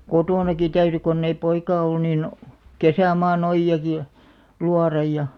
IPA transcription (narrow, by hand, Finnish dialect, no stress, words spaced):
kotoˑnɑki tæyry konː ei poikɑː olːŭ niːn kesæˑmɑːn ojːɑki j̆ɑ̆ luɑrɑj jɑ